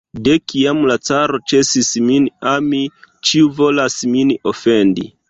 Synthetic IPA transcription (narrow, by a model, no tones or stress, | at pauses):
dekiamlat͡saɾo̞t͡ʃe̞sisminamit͡ʃiuvo̞lasminofe̞ndḭ